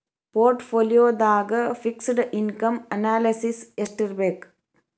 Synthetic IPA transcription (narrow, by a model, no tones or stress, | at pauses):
poːɾʈfoːlɪjoːðaːɣɐfɪksɖʔɪnkɐmɐnaːlɐsɪsɛsʈɐɾbek